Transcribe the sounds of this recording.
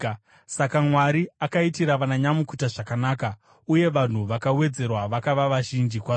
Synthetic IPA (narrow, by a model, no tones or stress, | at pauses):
sakamwaɾiakaitiɾaʋanaɲamukutaʐakanaːka | uje̞ʋan̤uʋakawe̞d͡ze̞rwaʋakaʋaʋaʒind͡ʒikwa